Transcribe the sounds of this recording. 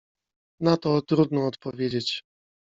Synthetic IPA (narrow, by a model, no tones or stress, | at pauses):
nat̪ɔt̪ɾud̪nɔːt̪pɔvʲjed͡ʑet͡ɕ